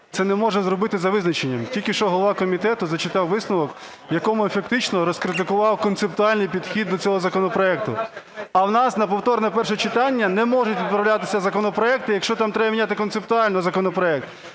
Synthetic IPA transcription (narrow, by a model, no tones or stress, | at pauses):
t̪sɛnɛmɔʒɛzɾɔbɪt̪ɪzɐʋɪznɐt͡ʃenʲːɐmtʲilʲkʲɪʃt͡ʃɔɦɔlˠʋɑkɔmʲit̪ɛt̪ʊzɐt͡ʃɪt̪ɑwʋɪsnʊʋɔk | jɐkɔmʊefɐk̚t̪ɪt͡ʃnɔɾɔskɾɪt̪̬ɪkʊʋɑwkɔnt̪sep̚t̪ʊɑlʲnɪjpʲid̪xʲid̪ːɔt͡sʲɔɦɔzɐkɔnɔpɾɔɛk̚t̪ʊ̰ | ɐwnɑsnɐpɔwt̪ɔɾnɛpɛrʃɛt͡ʃɪt̪ɑnʲːɐnɛmɔʒʊtʲʋʲid̪̚pɾɐwlʲat̪ɪsʲɐzɐkɔnɔpɾɔɛk̚t̪ɪjɐkʃt͡ʃɔt̪ɑmt̪ɾɛbɐmʲinʲat̪ɪkɔnt̪sep̚t̪ʊɑlʲnɔɔzɐkɔnɔpɾɔɛk̚t̪